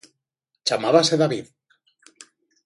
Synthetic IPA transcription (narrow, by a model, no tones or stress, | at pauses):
t͡ʃamaβaseðaβið